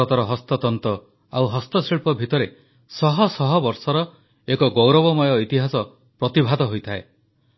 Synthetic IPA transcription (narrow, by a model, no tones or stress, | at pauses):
ɔt̪ɔɾɔɦɔst̪ɔt̪ɔnt̪ɔ | awɦɔst̪ɔsiɭpɔbʱit̪ɔɾe | sɔɦɔsɔɦɔbɔɾsɔɾɔ | ekɔɡowɾɔβɔmɔjɔit̪iɦasɔ | pɾɔt̪ibʱad̪ɔɦojt̪ʰae